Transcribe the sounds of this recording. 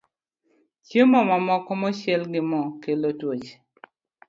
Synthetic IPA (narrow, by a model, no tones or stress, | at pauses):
t͡ʃjemɔmamɔkɔmɔʃjɛlɡɪmɔkelotwot͡ʃ